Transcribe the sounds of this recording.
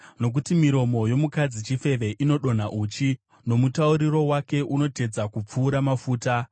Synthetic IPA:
no̞k̬utimiɾo̞mo̞jo̞mukad͡zit͡ʃife̞ʋe̞ʔino̞ɗo̞n̤aʔuːt͡ʃi | no̞mutauɾiro̞wake̞ʔuno̞te̞d͡zakup͡fuːɾamafuːta

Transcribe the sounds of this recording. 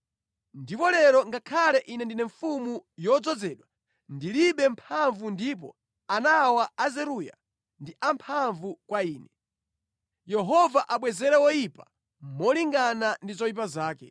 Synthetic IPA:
ndipɔlɛɾɔŋɡakʰalɛʔinɛndinɛɱfumujɔd͡zɔd͡zɛːɗwa | ndiliɓɛmpʰaɱvundiːp̬ɔ̰ | anawaazɛɾuja̰ | ndiʔampʰaɱvukwaiːnɛ | jɛɦɔvaʔaɓwɛzɛɾɛwɔjipa | mɔliŋɡanandizɔjip̬azaːkɛ

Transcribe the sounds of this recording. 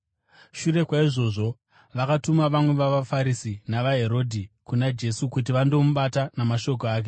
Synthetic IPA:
ʃure̞kwaiʐo̞ʐo̞ | ʋakatumaʋamwe̞ʋaʋafaɾisinaʋaɦe̞ɾo̞ːdʱikunad͡ʒe̞sukut̬iʋando̞muɓatanamaʃo̞k̬oaːk̬e̞

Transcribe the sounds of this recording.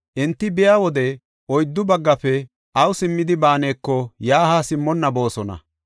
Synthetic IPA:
ʔɛnt̪ːɪbɪjaːwɔd̪ɛ | ʔɔjd̪ːʊbɐɡːɐfɛ | ʔɐwsɪmːɪd̪ɪbaːneːkːɔjaːhaːsɪmːɔnːɐbo̞ːsɔnɐ̰

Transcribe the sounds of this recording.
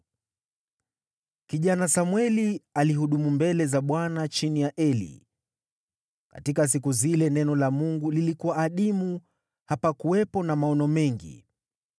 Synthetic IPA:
kiʄanasamwɛlialiɦuɗumumbɛlɛzaɓwanat͡ʃinijaʔɛlḭ | ka̰tikas̬ikuzilɛnɛnɔlamuŋɡulilikuwaːɗimu | hapakuwɛpɔnamaɔnɔmɛŋɡḭ

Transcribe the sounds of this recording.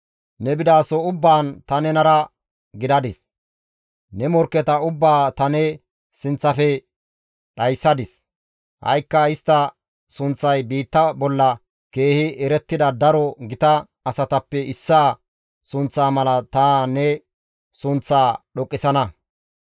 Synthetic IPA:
nɛbɪd̪aːsɔʊbːaːnt̪ɐnɛnɐɾɐ | ɡɪd̪ɐd̪ɪs | nɛmɔɾkːɛt̪ɐʊbːaːt̪ɐnɛ | sɪnt͡sːɐfɛ | ɗɐjsːɐd̪ɪs | hɐ̰jkːɐɪst̪ːɐ | sʊnt͡sːɐjbiːt̪ːɐbɔlːɐ | ke̞ːhɪɛɾɛt̪ːɪd̪ɐd̪ɐɾɔɡɪt̪ɐː | sɐt̪ɐpːɛʔɪsːaː | sʊnt͡sːaːmɐlɐt̪aːnɛ | sʊnt͡sːaːɗɔkʼːɪsɐnɐ

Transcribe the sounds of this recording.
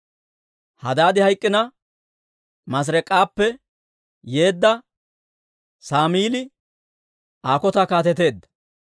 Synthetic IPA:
hɐd̪aːd̪ɪhɐjkʼːɪnɐ | mɐs̬ɾɛkʼːaːpːɛ | je̞ːd̪ːɐ | saːmiːlɪ | aːkɔt̪ɐkaːt̪ɛt̪e̞ːd̪ːɐ̥

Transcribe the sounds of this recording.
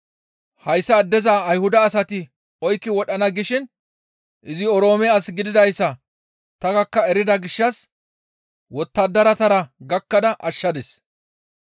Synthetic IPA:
hɐjsːɐːd̪ːɛzaːjhʊd̪ɐːsɐt̪ɪ | ɔjkːɪwɔɗɐnɐɡɪʃɪn | ʔɪzɪɔɾo̞ːmɛɐsɡɪd̪ɪd̪ɐjsːɐ | t̪ɐɡɐkːɐɛɾɪd̪ɐɡɪʃːɐs | wɔt̪ːɐd̪ːɐɾɐt̪ɐɾɐɡɐkːɐd̪ɐʔɐʃːɐd̪ɛs

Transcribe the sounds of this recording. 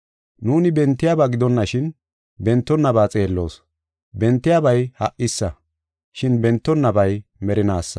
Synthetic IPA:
nuːnɪbɛnt̪ːɪjaːbaɡɪd̪ɔnːɐʃɪn | bɛnt̪ːɔnːɐbaːt͡sʼe̞ːlːo̞̰ːs | bɛnt̪ːɪjabɐjhɐ̰ʔːɪsːɐ | ʃɪnbɛnt̪ːɔnːɐbɐjmɛɾɪnaːsːɐ̥̰

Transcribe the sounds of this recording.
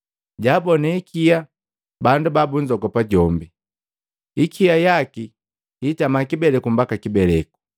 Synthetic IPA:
ɟaːbɔnɛikʰija | bandubabuɲd͡ʒɔɡɔpaɟɔmbi | ikʰiajaki | itamakibɛlɛkum̩bakakibɛlɛku̥

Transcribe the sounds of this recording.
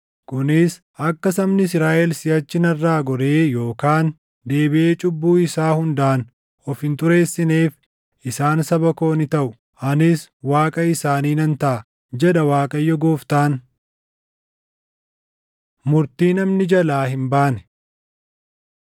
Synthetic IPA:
kʊnɪs | ɐkːɐsɐmnɪs̬ɾaːʔɛlsɪjɐt͡ʃːɪnɐrːaːɡɔɾeːjo̞ːkaːn | d̪e̞ːbɪʔe̞ːt͡ʃʼʊbːuːɪsaːhʊnd̪aʔn | ɔfhɪnt̪ʊɾe̞ːsːɪneːf | ɪsaːnsɐbɐko̞ːnɪt̪ɐʔʊ | ʔɐnɪswaːkʼɐɪsaːniːnɐnt̪ɐʔɐ | d͡ʒɛᶑɐwaːkʼɐjːɔɡo̞ːft̪aːn | mʊɾt̪iːnɐmnɪd͡ʒɐlaːɦɪmbaːnɛ̥

